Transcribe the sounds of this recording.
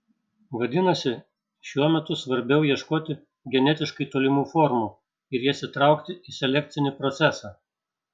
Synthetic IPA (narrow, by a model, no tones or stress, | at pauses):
ʋɐd̪ʲɪnɐsʲɪ | ʃʲuɔmʲɛt̪ʊsʋɐɾʲbʲɛʊjiɛʃkoːt̪ʲɪ | ɡʲɛnʲɛt̪ʲɪʃkɐɪt̪oːlʲɪmuːfɔɾmuː | ɪɾjiɛsʲɪt̪ɾɑˑʊkt̪ʲɪʔisʲɛlʲɛk̚ʲt̪sʲɪnʲɪpɾɔt̪sʲæsɑː